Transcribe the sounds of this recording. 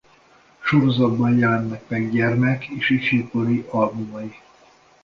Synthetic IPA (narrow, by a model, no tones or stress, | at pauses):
ʃo̞ɾo̞zɒd̪bɒnjɛlɛnːɛkmɛɡɟɛrmɛkʰeːʃifjukoɾiʔɒlbumɒji